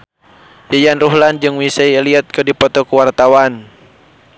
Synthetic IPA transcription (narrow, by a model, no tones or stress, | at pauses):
jajanruɦland͡ʒɨŋwisajliat̪̚kɨdipɔt̪ɔkuwart̪awan